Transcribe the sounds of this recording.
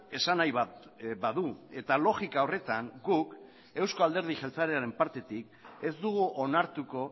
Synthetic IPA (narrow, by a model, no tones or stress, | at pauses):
e̞sanajβa | baðue̞t̪alo̞ɣikaore̞t̪aŋɡuk | e̞wsko̞ald̪e̞ɾð̞iʝelt͡saɾeaɾe̞mpaɾt̪e̞t̪ik | e̞zd̪uɣ̞uʔonaɾt̪uko̞